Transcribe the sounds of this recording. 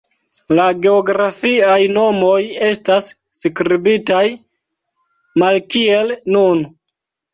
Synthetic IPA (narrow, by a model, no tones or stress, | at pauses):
laɡe̞oɡɾafiajno̞mo̞je̞stasː | kɾibitaj | malkie̞lnun